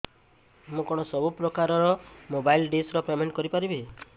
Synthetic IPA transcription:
mũkɔɽ̃ɔsɔbupɾɔkaɾɔɾɔmobajlɖesɾɔpemeɳʈkɔɾipaɾibe

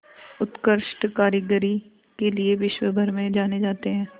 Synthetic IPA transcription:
ʊt̪kəɾʃʈkaːɾəɡəɾi | kelieʋɪʃwəbʱɐɾmẽd͡ʒaːned͡ʒaːt̪eɦɛ̃ː

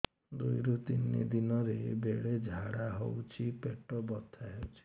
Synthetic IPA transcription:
d̪ujɾut̪inːḭd̪inɔɾebeɽed͡ʒʱaɽaɦo̰wt͡ʃʰipeʈɔbɔt̪ʰaɦewt͡ʃʰi̥

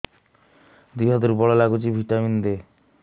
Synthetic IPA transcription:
d̪iɦɔd̪uɾbɔɭɔlaɡut͡ʃibʱiʈamind̪e

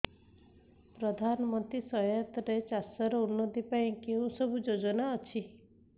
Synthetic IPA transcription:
pɾɔd̪ʱanɔmɔnt̪ɾisɔjat̪ɔɾet͡ʃasɔɾɔunːɔd̪ipaĩkeũsɔbʱud͡ʒod͡ʒɔnaɔt͡ʃʰi

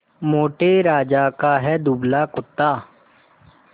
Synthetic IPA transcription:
moːʈeːɾaːd͡ʒaːkaːɦɛːd̪ublaːkʊt̪ːaː

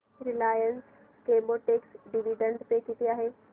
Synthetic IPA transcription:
ɾɪlaːjəns | keːmboʈeːksɖiʋiɖə̃ɳɖp̪ekit̪iaːɦeː

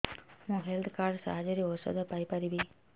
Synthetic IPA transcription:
naːɦelt̪ʰkaːɾɖsa̰ːd͡ʒɐɾiosɐ̰d̪ɐpɐjpɐɾiʋi

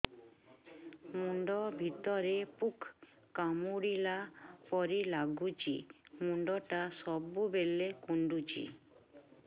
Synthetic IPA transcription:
muɳɖɔbʱit̪ɔɾepukʰː | amuɽilapɔɾilaɡut͡ʃḭmuɳɖɔʈasɔbubelːekuɳɖut͡ʃḭ

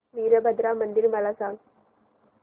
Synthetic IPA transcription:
ʋiːɾɐbɐd̪ɾaːmɐnd̪ɪɾmɐlasaːŋ

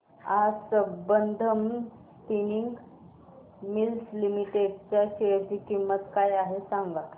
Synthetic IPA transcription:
asəbənd̪ʱəm | piniŋɡ | milslimiʈeɖt͡ɕjaɕeɭd͡ʑikimːət̪kajaɦesãŋɡa

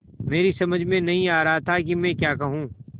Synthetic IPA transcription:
meːɾisɐməd͡ʒʱmẽnɐɦĩaːɾɐɦat̪ʰak̬imɛ̃kjaːkɐɦũː

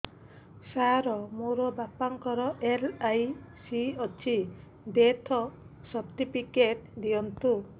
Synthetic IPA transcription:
saɾɔmoɾɔbapaŋkɔɾɔʔelajsiɔt͡ʃʰi | d̪et̪ʰɔsɔpt̪ipikeʈ̚d̪iɔnt̪u

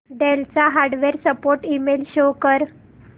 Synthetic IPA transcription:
ɖelt͡saɦaɾɖʋeɾsəpoɾʈimelɕokəɾ

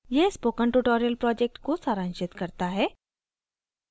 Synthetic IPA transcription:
jespoːkəɳʈuʈoːɾijəlpɾɔːd͡ʒek̚ʈkosaːɾə̃nʃɪt̪kɐɾt̪aɦɛː

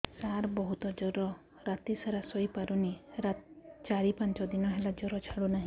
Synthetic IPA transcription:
saɾbɔɦut̪ɔd͡ʒɔɾɔ | ɾat̪isaɾasɔipaɾuniɾat̪t͡ʃaɽipant͡ʃɔd̪inɔɦelad͡ʒɔɾɔt͡ʃʰaɽunaɦĩ

